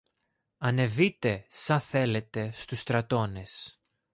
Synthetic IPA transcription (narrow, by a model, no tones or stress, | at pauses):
ɐne̞vit̪e̞sɐθe̞le̞t̪e̞st̪ust̪ɾɐt̪o̞ne̞s